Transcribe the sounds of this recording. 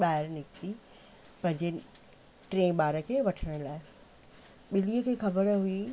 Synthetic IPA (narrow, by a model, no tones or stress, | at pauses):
ɓaːɦɪɾnɪkt̪i | pɐ̃ɦɪ̃ɲd͡ʑe | ʈɾẽːɓaːɾəkʰeːʋɐʈʰəɽ̃əlaːɪ | ɓɪliːəkʰeːxɐbəɾɦui